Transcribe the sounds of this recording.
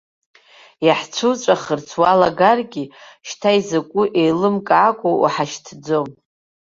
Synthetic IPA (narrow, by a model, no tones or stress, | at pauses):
jaħt͡ʃʷʰut͡ʃʷʼaχərt͡sʰwalaɡarɡʲiʃtʰaizakʷʼʊʔejlɨmkʼakʷʼoṵħaʃtʰd͡zom